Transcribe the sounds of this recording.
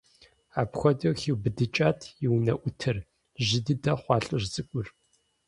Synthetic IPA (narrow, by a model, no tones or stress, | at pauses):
aːpxʷɔdɐwxiwbɨdɨt͡ʃʼaːtʰjɪwnɐʔʷʊtʰɨr | ʒɪdɨdɐχʷɑːɬʼʊrzʼɨkʷʼʊr